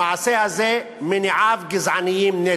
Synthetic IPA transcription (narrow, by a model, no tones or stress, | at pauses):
aːseɐze | mɪniaːfɡɪzaːnijimne